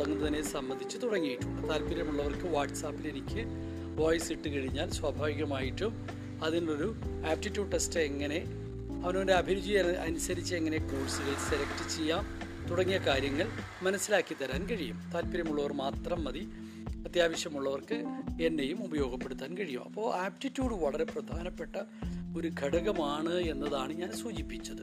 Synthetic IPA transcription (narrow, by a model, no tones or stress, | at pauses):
ɽɐŋːunːɐðinesɐmbɐnd̪ʱit͡ɕːɨt̪uɽɐŋːijiʈːumːɐt̪aːlpiɾjɐmuɭːɐʋɐrkɨʋaːʈːsaːpːilenikʲːɨ | ʋoːjsiʈːɨkɐɻiɲːaːlswɐbʱaːʋiɣɐmaːjiʈːum | ɐðinuɭo̞ɾuaːp̚ʈitːjuːɖʈːesteŋːɐne̞ | ɐʋɐnondeɐbʱiɾud͡ʑijanʔɐnusɐɾit͡ɕːɨe̞ŋːɐne̞kuːrsileselɐktɨt͡ɕːejːaːm | t̪uɽɐŋːijɐkaːɾjɐŋːɐɭ | mɐnɐsːilaːkːit̪ɐɾaːnkɐɻijumt̪aːlpɐɾjɐmuɭːɐʋɐrmaːt̪rɐmːɐði | ɐt̪jaːʋɐɕjɐmuɭːɐʋɐrkɨe̞nːejumubɐjo̞ːɡʱɐpːeɽut̪ːaːnkɐɻijumɐpːo̞ːaːpʈitːjuːɽɨʋɐɭɐre̞prɐd̪ʱaːnɐpːe̞ʈːɐo̞ɾuɡʱɐɽɐɣɐmaːɳɨe̞nːɐðaːɳɨɲaːnsuːd͡ʑipːit͡ɕːɐðɨ